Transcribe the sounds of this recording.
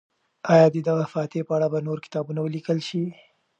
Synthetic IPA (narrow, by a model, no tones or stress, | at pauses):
ɑjɑd̪əd̪aɣafɑt̪epəaɽabanoɾkɪ̥t̪ɑbunawəlikəlʃi